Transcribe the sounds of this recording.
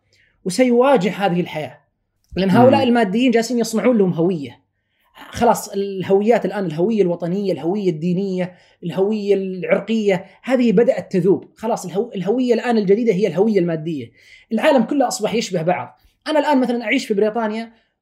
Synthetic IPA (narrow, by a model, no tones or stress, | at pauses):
wsajwaːd͡ʒɪhhaːðɪhɪlħajaː | lɪʔɪnːɦaːʔʊlaːʔɪlmaːd̪ːɪjːiːnd͡ʒaːsiːnjɨsˤnɑʕuːnlahʊmɦawɪjːa | xɑlɑːsˤɪlɦawɪjːaːt̪ɪlʔaːnɪlɦawɪjːalwɑt̪ˤɑnɪjːalhawɪjːad̪ːiːnɪjːa | ɪlhawɪjːaʕʊɾqɪjːahaːðɪhibad̪aʔat̪ːaðuːbxɑlɑːsˤɪlɦaʔɪlɦawɪjːalʔaːnɪld͡ʒad̪iːd̪aɦɪjːalɦawɪjːalmaːd̪ːɪjːa | ʔɪlʕaːlamkʊlːʔɑsˤbɑħjɪʃbahbɑʕðˤ | ʔanalʔaːnmaθalanʔaʕiːʃfibɾiːt̪ˤɑːnja